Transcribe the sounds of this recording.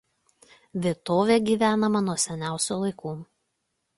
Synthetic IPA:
ʋʲiɛt̪oːʋʲeːɡʲiːʋʲæːnɐmɐnuɔsʲɛnʲæˑʊsʲuːlˠɐɪkuː

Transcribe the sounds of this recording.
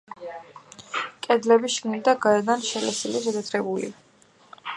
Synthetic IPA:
kʼɛd̪lɛbiʃɡnid̪aɡaɛd̪anʃɛlɛsiliʃɛd̪at̪ʰɾɛbulḭ

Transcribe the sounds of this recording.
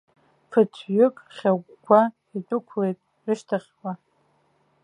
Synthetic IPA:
pʰɨt͡sʷʰɥʏkʼrχʲaɡʷʼ | ɡʷa | itʼʊkʷʰlejtʼ | rɨʃtʰaχʲwa

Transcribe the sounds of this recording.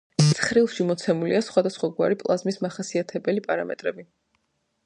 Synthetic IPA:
ɛsχɾilˠʃimɔt̪sʰɛmuliasχwad̪asχwaɡwa̰ɾipʼlˠazmismaχasiat̪ʰɛbɛlipʼaɾamɛ̰t̪ʼɾɛbi

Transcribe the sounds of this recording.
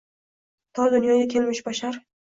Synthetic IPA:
t̪ʰɒd̪ʊnjɒɡʲakʲʰelmɪʃbaʃaɾ

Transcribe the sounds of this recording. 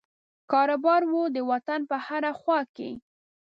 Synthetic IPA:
kɑɾobɑɾwud̪əwat̪anpəhaɾaxwɑkḛ

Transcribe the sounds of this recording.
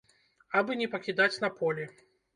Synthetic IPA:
abɨnʲɛpɐkʲid̪at͡sʲnɐpʰɔlʲɛ

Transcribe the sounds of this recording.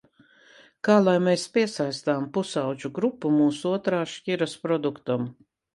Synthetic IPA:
kaːlˠajmeːspʲiɛsajst̪aːmpusawt͡ʃuɡɾupːumuːsuuɔt̪ɾaːʃcʲiɾɐspɾɔd̪ukt̪am

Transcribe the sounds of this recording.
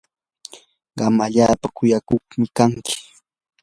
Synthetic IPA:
ɢɑmaʎaːpakʊjakoχmɪkaŋkʰɪ̥

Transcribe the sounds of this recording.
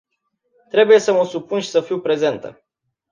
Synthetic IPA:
t̪ɾe̞buje̞səməsupunʃi̥səfiwpɾe̞ze̞nt̪ə̰

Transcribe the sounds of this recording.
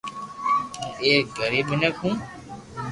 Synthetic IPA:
eːɡəɾiːɓɪnəkʰũː

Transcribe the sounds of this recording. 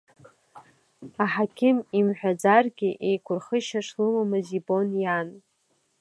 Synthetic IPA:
aħakʲʰɪmimħʷᶣad͡zarɡʲɪʔejkʷʰʊrχəʃaʂlɨmamɨzibo̞njan

